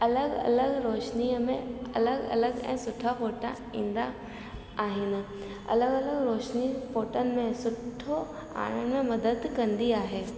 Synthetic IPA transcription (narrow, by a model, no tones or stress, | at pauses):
ɐləɡɐ̰ləɡɾoːʃniəmẽɐ̰ləɡɐ̰ləɡɛ̰̃ːsʊʈʰːafoːʈa̰ | ĩːnd̪a | aːɦɪnɪ̆ | ɐ̰ləɡɐləɡɾoːʃnipoːʈənɪ̆mẽsʊʈʰːo | a̰ːɽ̃ənmẽmɐd̪əd̪kɐ̃nd̪iaːɦeː